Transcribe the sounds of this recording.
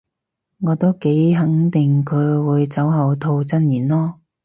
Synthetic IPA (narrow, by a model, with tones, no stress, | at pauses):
ŋɔː˨˧t̪o˥wke˨˥jɦɐ˨˥ŋt̪ɪ˨ŋkʰɵ˨˧ɥwuː˨˧jt͡sɐ˨˥wɦɐ˨wt̪ʰo˧wt͡sɐ˥njiː˨˩nlɔː˥